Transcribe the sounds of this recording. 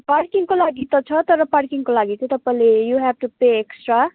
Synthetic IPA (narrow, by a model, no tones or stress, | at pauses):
parkiŋkolaɡit̪ʌt͡sʰʌt̪ʌɾʌparkiŋkolaɡit͡sʰʌ̃ĩt̪ʌpaĩlejuɦɛfʈupeeksʈra